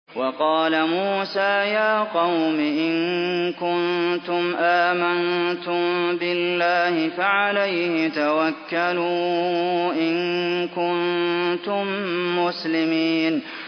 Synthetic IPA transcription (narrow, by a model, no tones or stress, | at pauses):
wɑqɑːlamuːsaːjaːqɑwmɪʔɪnkʊnt̪ʊmʔaːmant̪ʊmbɪlːaːhɪfaʕalajhɪt̪awakːaluː | ʔɪnkʊnt̪ʊmːʊslɪmiːn